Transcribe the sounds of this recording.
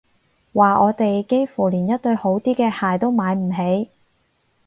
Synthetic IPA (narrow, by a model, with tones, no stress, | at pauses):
waː˨ʔɔː˨˧t̪e˨jke˥jfuː˨˩liː˨˩njɐ˥t̚t̪ɵ˧ɥho˨˥wt̪iː˥kɛː˧haː˨jt̪o˥wmaː˨˧jm̩˨˩ɦe˨˥j